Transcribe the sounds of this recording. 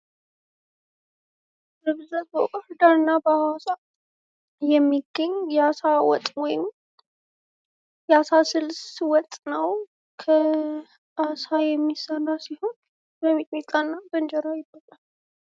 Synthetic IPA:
ɾɨβzəzbəkʼɔɾd̪aɾɨnːabəawasa | jɛmːiɡ̥əɲjɛasawɔ̰t̪ʼwɔjɪm | jɛasasɨlswɔt̪ʼnəw | kʰə | ʔasajɛmːisənasiho̞n | bəmit̪ʼmit̪ʼanːabənd͡ʒɛɾajɪbːalal

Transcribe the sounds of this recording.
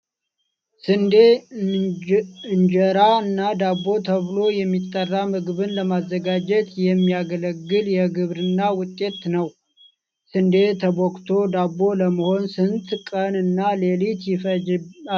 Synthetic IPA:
sɨnd̪e | ɨɲd͡ʒəɾaɨnːad̪abːo̞t̪ʰəβɨlo̞jɛmːit̪ʼːərːamɨɡɨβɨnləmazːəɡad͡ʒɛt̪jɛmːiaɡələɡːɨljɛɡɨβɾɨnːawʊt̪ʼːe̞t̪nəw | sɨnd̪e̞t̪ʰəbokt̪ʰo̞d̪abːo̞ləməho̞nsɨnt̪kʼənɨnːalelit̪jɪfə

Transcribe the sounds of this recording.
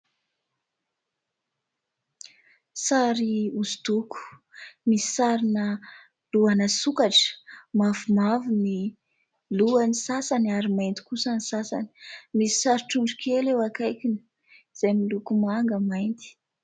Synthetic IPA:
saɾiuzut̪uku̥misi̥saɾinə | luanəsukaʈ͡ʂə̥mavumavini | luanisasanaɾimaint̪i̥kusanisasa̰ni̥mii̥saɾiʈ͡ʂuɳɖ͡ʐukʰelewakajkʲinə̥ | z̥ajmilukumaŋɡəmajnt̪i̥

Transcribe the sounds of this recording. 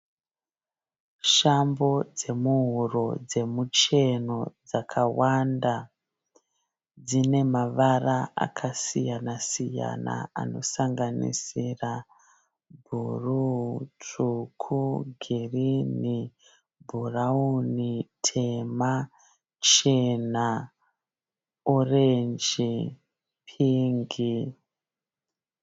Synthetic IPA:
ʃambo̞d͡ze̞muɦuro̞d͡ze̞mut͡ʃe̞no̞d͡zakʰawanda | d͡zine̞maʋaraa̰kʰasijanasija̰na̰a̰no̞̰saŋɡanḭsira | bʱurutukʰuɡʱirini | bʱuraunitʰema | t͡ʃena | orend͡ʒi | pʰiŋɡi

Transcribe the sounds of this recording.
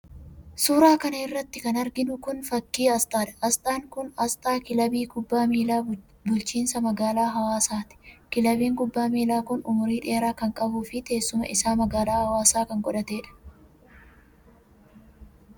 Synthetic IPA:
suːɾaːkɐnɐɪrːɐt̪ːɪkɐnɐɾɡɪnʊkʊnfɐkːiːɐst̪ʼaːᶑɐ̥ɐst̪ʼaːŋkʊnɐst̪ʼaːkɪlɐbiːɡʊbːaːmiːlaː | bʊlt͡ʃiːnsɐmɐɡaːlaːɦɐwaːsaːt̪ɪ̥kɪlɐbiːŋɡʊbːaːmiːlaːkʊnʊmʊɾiːᶑe̞ːɾaːkɐŋkʼɐbuːfɪt̪e̞ːsːʊmɐ̰ʔɪsaːmɐɡaːlaːhɐwaːsaːkɐŋkʼɔᶑɐt̪e̞ːᶑɐ̥

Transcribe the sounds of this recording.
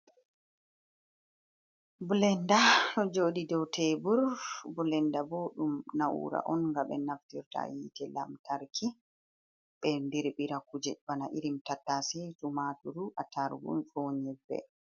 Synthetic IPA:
bulɛndanɔd͡ʒoːɗidɔwtʰɛbuɾbulɛndabɔɗumnawṵːɾa̰ʔɔnŋɡaɓɛnaftiɾta̰jitɛla̰mtʰaɾkʰi | ɓɛndiɾɓiɾakud͡ʒɛbanaʔḭɾimtatːasɛtumatuɾuʔataɾɡṵfoːɲɛbːɛ̰

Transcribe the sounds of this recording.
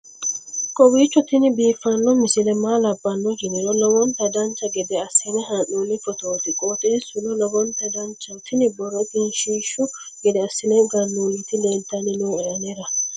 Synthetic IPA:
kʼɔwiːt͡ʃːɔt̪ɪnɪbiːfːɐnːɔmɪsɪlɛmaːlɐbːɐnːɔd͡ʒɪnɪɾɔlɔbɔnt̪ɐd̪ɐnt͡ʃːɐɡɛd̪ɛɐsːɪnɛɦanuːlːɪfɔt̪o̞ːt̪ɪkʼot̪ʼeːsʊnɔlɔbɔnt̪ɐd̪ɐnt͡ʃːɐt̪ɪnɪbɔɾɔt̪ɪnʃiːʃʊ | ɡɛd̪ɛɐsːɪnɛɡɐnːuːlːɪt̪ːɪleːnt̪ːɐnɪnuːɛɾɐneɾɐ

